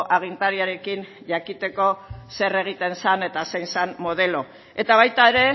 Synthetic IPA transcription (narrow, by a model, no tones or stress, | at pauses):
ʔaɣ̞int̪aɾiaɾe̞kin | ʝakit̪e̞ko̞se̞re̞ɣ̞it̪e̞nsane̞t̪asejnsanmo̞ð̞e̞lo̞ | e̞t̪aβ̞ajt̪ae̞ɾe̞